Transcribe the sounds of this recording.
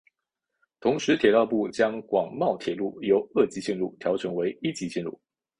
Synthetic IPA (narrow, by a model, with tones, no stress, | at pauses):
t̪ʰʊ˧˥ŋʂɻ̩˧˥t̪ʰjɛ˨˩t̪ɑ˥˧ʊpu˥˩t͡ɕjɑ˥ŋkwɑ˨˩ŋmɑ˥˩ʊt̪ʰjɛ˨˩lu˥˩jo˧˥ʊɤ˥˩t͡ɕi˧˥ɕi˥˧nɻu˥˩t̪ʰjɑ˧˥ʊʈ͡ʂʰɤ˧˥ŋwe˧˥ɪi˥t͡ɕi˧˥ɕi˥˧nɻṵ˥˩